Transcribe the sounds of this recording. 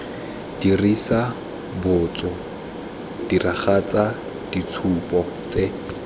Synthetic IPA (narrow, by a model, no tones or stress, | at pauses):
d̥irisa | bʊt͡sʼɔ | d̥iraχat͡sʼa | d̥it͡sʰupʼɔ | t͡sʼe